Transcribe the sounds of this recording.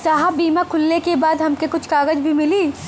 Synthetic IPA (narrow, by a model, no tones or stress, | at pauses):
saɦabiːmakʰʊlːekebaːd̪ɦɐmkekʊt͡ʃʰkaːɡəd͡ʒbʱimɪliː